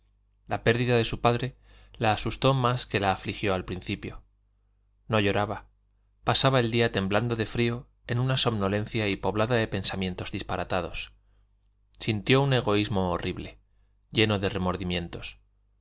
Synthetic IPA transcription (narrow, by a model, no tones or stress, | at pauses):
lʔape̞ɾðiðaðe̞supaðɾe̞ | laːsust̪o̞maske̞laːflixjo̞alpɾinθipjo̞̰ | no̞ʝo̞ɾaβa | pasaβae̞ld̪iat̪e̞mbland̪o̞ðe̞fɾio̞ | e̞nunaso̞βno̞lẽ̞n̟θjaipo̞βlaðaðe̞pe̞nsamje̞nt̪o̞zðispaɾat̪að̞o̞s | sint̪jo̞une̞ɣ̞o̞izmo̞ːriβle̞ | ɟ͡ʝe̞no̞ðe̞re̞mo̞ɾðimjẽ̞nt̪o̞̥s